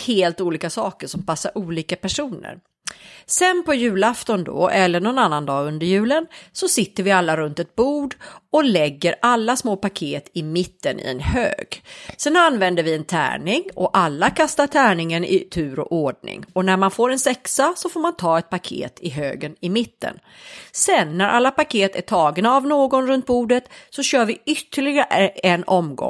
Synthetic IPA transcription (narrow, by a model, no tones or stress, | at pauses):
heːlt̪uːliːkasɑːkəʂɔmpasːa̰ɾʔuːliːkapæʂuːnə̰ɾ | sɛnpɔjʉ̟ːlaft̪ɔnd̪ɔ̰ʔɛlːəɳɔnanːand̪ɑːɵnd̪əɾjʉ̟ːlənsɔsɪt̪ːəɾvɪalːaɾɵnt̪ɛt̪̚buːd̪ɔlɛɡːəɾalːasmoːpakʰeːt̪ɪmɪt̪ːənʔɪ̰ɛ̰nhø̰ːɡsɛnanvɛnd̪əɾvɪɛnt̪ʰæ̰ːɳɪŋɔʔalːakʰast̪aʈʰæːɳɪŋənɪ̰t̪ʰʉ̟ːɾɔ̰ʔoɖɳɪ̰ŋɔnæɾmanfoːɾɛnsɛksasɔfoːɾmant̪ʰɑːɛt̪̚pʰakʰḛːt̪ʰɪɦøːɡənɪmɪt̪ːə̰n | sɛnːæɾʔa̰lːapakʰeːt̪æʈʰɑːɡnaːvnoːɡɔnɾɵnt̪̚buːɖət̪sɔɕœːɾvɪʏt̪ːəɭɪɡaɾəʔɛɛnːʔɔmɡɔ̰ŋ